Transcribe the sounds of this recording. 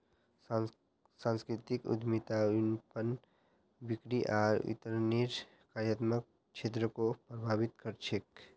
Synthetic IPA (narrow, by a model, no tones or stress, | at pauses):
sãnskɾɪt̪ikṵd̪ʱmit̪anpən | bikɾiʔaːɾḭt̪əɾniɾ | kaɾjət̪mək̚ | t͡ʃʰeːt̪̬ɾəkopɾəbʱaːbɪt̪kəɾt͡ʃʰek